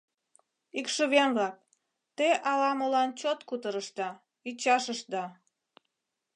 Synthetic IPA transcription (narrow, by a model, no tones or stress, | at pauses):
ikʃəβenβlɑk̚ | t̪eʔɑlɑmolɑnt͡ɕot̪kut̪əɾəʃt̪ɑ | it͡ɕɑʃəʃd̪ɑ